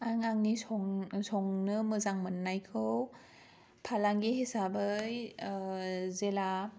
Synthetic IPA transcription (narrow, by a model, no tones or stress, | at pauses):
aŋaŋnisɔŋsɔŋnɯmɯzaŋmɯnːajkʰɯw | pʰalaŋɡihesabɯj | zela